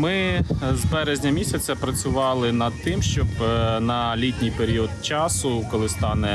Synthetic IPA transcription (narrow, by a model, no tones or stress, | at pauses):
mɪzbɛɾezʲnʲɐmʲisʲɐt͡sʲɐpɾɐt͡sʲʊʋɑlˠɪnɐd̪̚t̪ɪmʃt͡ʃɔbnɐlʲitʲnʲijpeɾʲiɔd̪t͡ʃɑsʊkɔlˠɪst̪ɑnɛ